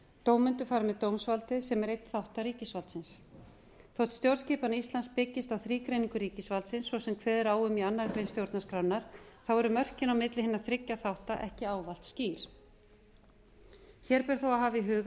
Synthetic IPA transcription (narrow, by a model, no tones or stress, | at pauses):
t̪owmʏnt̪ʏfaːɾmɛðt̪owmsvalt̪ɪðsɛmɛɾejt̪θawht̪aɾiːcɪsvalt̪sɪns | θowht̪st̪jowɾsciːpanist̪lanspɪcːɪst̪awθɾiːkɾejniŋkʏɾiːcɪsvalt̪sɪnsːvɔsɛmkʰvɛːðɪɾaːwʏmianːaɾkɾejnst̪jowɾt̪naskɾawnːaɾ̥θawɛɾʏmœr̥cɪnawmɪt̪lɪhɪnːaθɾɪcːaθawht̪aʔɛ̰hcɪaːwval̥t̪sciːɾ̥ | çɛːɾpɪɾ̥θowaɦaːviɦʏːɣ